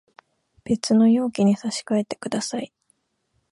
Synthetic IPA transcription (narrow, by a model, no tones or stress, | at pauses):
b̥e̞t͡sɨno̞jo̞ːkʲiɲ̟isaɕi̥kae̞t̪e̞̥kɯ̟d̪asai